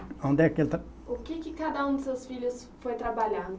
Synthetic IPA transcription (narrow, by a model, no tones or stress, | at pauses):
õnd̪ekelt̪ | ʊkɪkɪkad̪ɐũd̪ɪsewsfiʎʊs | fojt̪ɾabaʎãd̪ʊ